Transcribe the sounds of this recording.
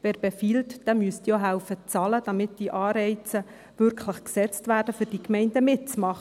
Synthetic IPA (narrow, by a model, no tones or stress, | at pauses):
vɛːɾbefiːltd̥ɛmyəst̪joɦælfət͡sɑːləd̥ɑmɪtd̥iʔɑːɾɛɪt͡sə | vʏɾkχləχksɛt͡stvæːɾd̥əfʏrd̥ikmɛɪndəmɪt̚t͡smɑχ